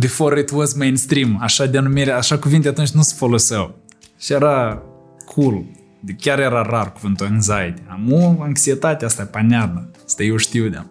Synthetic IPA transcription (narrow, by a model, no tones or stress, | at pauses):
d̪ifoɾet̪uozmejnst̪ɾimaʃad̪ʲanumiɾaʃakuvint̪eat̪unt͡ʃnũsfolosew | ʃieɾa | kʰulu | d̪ikʲjaɾeɾaraɾukuvɨnt̪oinzajd̪iamuaŋksiet̪at̪ʲast̪apanʲaɾnəast̪aiwʃt̪iwd̪an